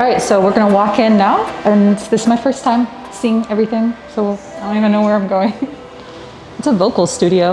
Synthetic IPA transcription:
ɹaɪtsoʊwɪɹɡʌnəwɔkɪ̃nːaʊɨ̃nðɪsɨzmaɪfɜ˞stʰãɪ̃m | sĩɪ̃ŋɛvɹiθɪ̃ŋsoʊõnivɨ̃nːoʊwə˞ãɪ̃mɡoʊɪ̃ŋ | ɨtsəvoʊkl̩ˠstʉɾioʊ

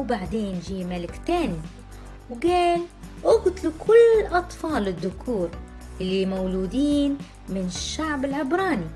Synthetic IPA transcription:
wbaʕd̪eːnʒiːmalɪkt̪aːni | wɡaːlʔʊɡt̪ˤlukʰʊlːʔɑt̪ˤfɑːlɪd̪ːʊkʰuːɾ | ʔɪlːimawd͡ʒuːd̪iːn | mɪnɪʃːaʕbɪlʕɪbɾˤɑːni

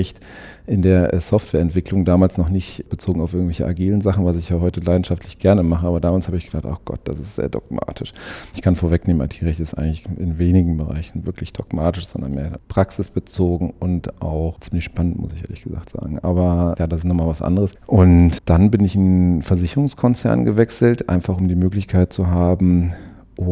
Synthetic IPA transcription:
ɛçt | ʔɪndeːɐʔɛsɔftv̥ɛːɐɛntv̥ɪklʊŋdaːmaːlsnɔχnɪçtb̥ət͡soːɡŋ̩aʊfʔɪɐɡŋ̩tvɛçə̰ʔaɡiːlənzaχn̩vasɪçjaːɦɔʏtəlaɪdn̩ʃaftʰlɪçɡ̥ɛɐnəmaχəaːbɐdaːmaːlshaːbəɪçɡ̥əd̥aχtaɡ̥ɔ̰t̚d̥asɪstz̥ḛːɐdɔ̰ɡ̚ma̰ːtʰɪʃʔɪçkʰanfoːɐvɛkneːməmnʔa̰tʰiːʁɛçtɪstʔa̰ɪɡŋ̩lɪçɪnveːnɪɡŋ̩bəʁa̰ɪçn̩vɪɐklɪçd̥ɔkmaːtɪʃz̥ɔ̰ndɐ̰nmḛːɐpʁ̥aksɪsb̥ət͡soːɡŋ̩ʊntʔa̰ʊχt͡siːmlɪçʃpanəntmʊ̰sɪçʔeːɐlɪçɡ̥əza̰ːχtz̥a̰ːɡŋ̩ʔa̰ːbɐjaːdasɪstnɔχmaːlvasʔa̰ndəʁəsʔʊntd̥anbɪnɪçɪnfɛɐzɪçəʁʊŋskʰɔnt͡sɛ̰ɐnɡəvɛksl̩tʔa̰ɪnfaχʊmdiːmøːklɪçkʰaɪt̚t͡suɦaːbm̩ | ʔʊ

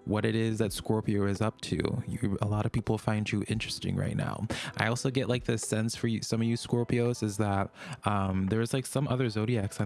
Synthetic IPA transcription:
wʌɾɨɾɪzðɨtskɔɹpioʊɨzʌp̚tʰʉ̰jə˞əlɑɾʌv̥pipl̩ˠfãɪ̃nd͡ʒɨʔɪ̃nt͡ʃɹ̥ɨstɪ̰̃ŋɹa̰ɪtⁿna̰ʊʔaɪɔlˠsoʊɡɛʔlʔaɪk̚ðɨsɛ̃nsfə˞jɨsʌ̃mʌvjɨskɔɹpioʊzɨzðət̚ʌ̃mðə˞ɨz̥laɪksʌ̃mʔʌðə˞zoʊɾiæksɪ

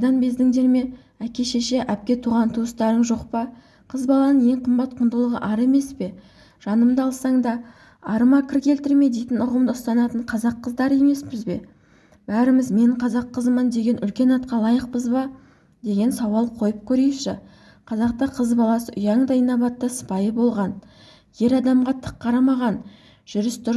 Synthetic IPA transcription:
jd̪ɑnbe̞zd̪ɪŋd̪e̞ɾme̞ | ækʲe̞ʃeʃe̞ʔæp̚kʲe̞t̪ʰuʁɑnt̪ʰuəst̪ɑɾəɴʒo̞qpɑ | qʰəzbɑlˠɑnəɴje̞ɴqʰəmbɑt̪̚qʰʊnd̪əlˠəʁəʔɑɾe̞me̞spe̞ | ʒ̥ɑnəmd̪əɑlˠsɑɴd̪ɑ | ɑɾəmɑkʲʰɪɾkʲʰe̞lt̪ɪɾme̞d̪ejt̪ɪnʊʁəmd̪əʊst̪ɑnɑt̪əɴqʰɑzɑqːəzd̪ɑɾje̞me̞spɪzbe̞ | b̥æɾɪmɪzme̞ɴqʰɑzɑqʰːəzəmənd̪e̞ɡʲe̞nʏlkʲe̞nɑt̪̚qɑlˠɑjəq̚pəzbɑ | d̪e̞ɡʲe̞nsɑwɑlˠqʰo̞jəp̚kʲʰɵɾe̞ʃɪ | qʰɑzɑqt̪ɑqʰəzbɑlˠɑsəʔʊjɑɴd̪ɑɪnɑbɑt̪ːəsə̥pɑjəbo̞lˠʁɑn | je̞ɾɑd̪ɑmʁɑt̪ʰə̥qʰːɑɾɑmɑʁɑn | ʒ̥ʏɾɪsd̪ʊɾ

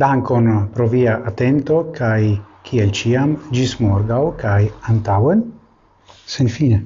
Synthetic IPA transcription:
d̪aŋkonpɾoviaʔat̪ent̪okʰajkʰielt͡ʃiamd͡ʒismoɾɡawkajant̪awen | senfine

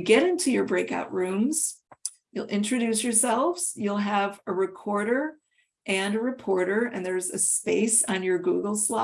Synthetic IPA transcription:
ɡɛɾɪ̃ntʰʉjə˞bɹeɪka̰ʊʔɹʉ̃mz̥ | julˠʔɪ̰̃nt͡ʃɹ̥ɨdʉsjə˞sɛlˠvz̥julˠəvɨɹɨkʰɔɹɾə˞ | ʔɨ̃nəɹɨpʰɔɹɾə˞ɨ̰̃nðə˞zɨspeɪsn̩jə˞ɡuɡl̩ˠslɑ

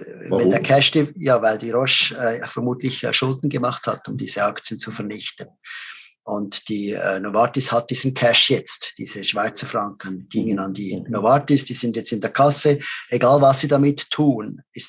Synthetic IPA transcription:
mɛdeːɐkʰɛʃdijaːvaɪldiːʁɔʃfɛɾmuːtlɪç̰ʃʊldn̩ɡəmɑχthatʊmdiːz̥əɑkt͡sjənt͡sufɛɐnɪçtən | ʔʊntd̥iːɛ̰ːnovɑtɪshat̚d̥iːzn̩kʰæʃjɛt͡std̥ḭːz̥əʃv̥aɪt͡sɐfʁɑŋkənɡ̥iŋənɑndiːnoɑtɪsd̥iːz̥ɪndjɛt͡stɪndeːɐkʰɑsəeɡaːlvɑsːiːdamɪtʰːuːn | ɪst

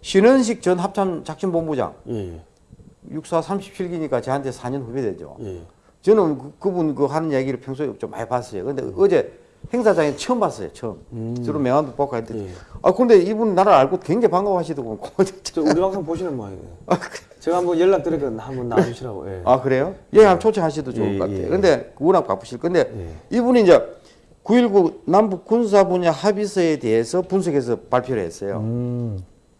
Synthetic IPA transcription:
ɕʰinɯnɕ̬ʰik̚t͡ɕʌnɦap̚t͡ɕʰant͡ɕak̚ɕʰinboŋbud͡ʑa̰ŋj | juk̚s͈ʰasʰamɕʰi̥p̚t͡ɕʰiɭɡiɲik͈at͡ɕeɦantʰe̞sʰaɲʌnɸubedwe̞̰d͡ʑo̰j | t͡ɕɯnɯnkkɯbunkɯɦanɯnijaɡiɾɯɭpʰeŋs̬ʰop̚t͡ɕomːa̰ipas͈ʌjo̰kɯɾɯndḛʔʌd͡ʑe̞ | he̞ŋsʰad͡ʑaŋet͡ɕʰʌmbas͈ʌjo̰t͡ɕʰʌmt͡ɕɯɾomeŋwandop͈ak͈ʰajɯndea̰kɯɾʌnd̪e̞ibuninaɾaaɭɡokeŋɡepaŋɡaphaɕ̬ʰidokomnkod͡ʑt͡ɕ͈ʰt͡ɕʌɾimaŋs͈ʰoŋpoɕʰinɯnmoa̰ak | t͡ɕeɡamʌjeɭːak̚t͈ɯɾekɯhamona̰uɕʰiɾaɡo̰jḛakɯɾe̞jojeeɦamt͡ɕʰot͡ɕʰʌŋɦaɕ̬ʰidot͡ɕokːk͈a̰tʰejo̰kɯnde̞kɯɯnak̚k͈a̰kp͈uɕʰiɭkɯnde̞ibuniːnd͡ʑe | kuiɭɡunambuk͈̚ːuns̬ʰabuɲahabisʰʌe̞teesʰʌpuns̬ʰoɡe̞s̬ʰʌpaɭpʰjoɾɯɦe̞̰s͈ʌjo̰

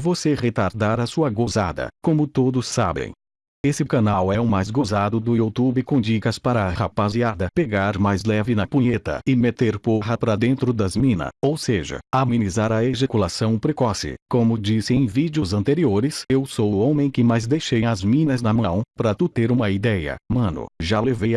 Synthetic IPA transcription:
voseʁet̪aɾd̪aɾɐsuɐɡoza̰d̪ɐ̰kõmʊt̪od̪ʊsːa̰bḛ̃j̃ | esɪkɐnawɛʊmajzɡozad̪ʊd̪ʊut̪ubɪkõd͡ʒikɐspaɾɐha̰paziad̪ɐpeɡaɾmajzlɛvɪnɐpũɲet̪ɐ̰ɪmet̪eɾpoɦɐpɾɐd̪ẽnt̪ɾʊd̪ɐzmĩnɐ̰owseʒɐ̰amĩnizaɾɐeʒekulasɐ̃w̃pɾekɔsɪ̰kõmʊd͡ʒisɪẽj̃vid͡ʒiʊzɐ̃nt̪eɾioɾɪsewsowʊõmẽj̃kɪmajzd̪ejʃejɐzmĩnɐzd̪ɐmɐ̃w̃paɾɐt̪ut̪eɾũmɐid̪ɛjɐ̰mɐ̃nʊ̰ʒalevejɐ

